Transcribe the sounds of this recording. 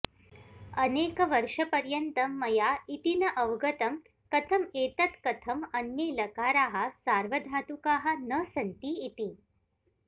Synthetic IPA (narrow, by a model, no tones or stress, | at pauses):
əneːkəʋəɾʂəpɐɾjənt̪əmːɐjait̪inɐʔəʋɡət̪ɐm | kət̪ʰɐmet̪ɐt̪kɐt̪ʰɐmənjelɐkaɾaɦasaɾʋəd̪ʱat̪ukaɦanəsɐnt̪iːt̪i